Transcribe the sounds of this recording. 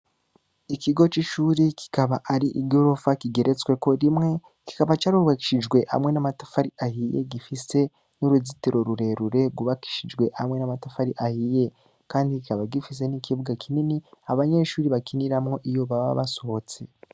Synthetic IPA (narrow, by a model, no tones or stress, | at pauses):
ikiɡo̞t͡ʃiʃuːɾikʰi̥kaβaʔaɾiʔiɡo̞ɾo̞fakiɡe̞ɾet͡swe̞ko̞ɾimŋe̞ | ki̥kaβat͡ʃaɾuɾuβaki̥ʃid͡ʒɡwe̞ʔha̰mŋe̞namatḁfaɾiahijḛɡifise̞ | nuɾuzitiɾo̞ɾuɾe̞ɾuɾe̞ɡuβaki̥ʃid͡ʒɡwe̞hamŋe̞namatafaɾiʔahije | kaːndikikaβaɡifis̬e̞nikʰiβuɡakʰininiaβaɲe̞ʃuːɾiβakiniɾamŋo̞ʔijo̞βaβa̰βaso̞ot͡se̞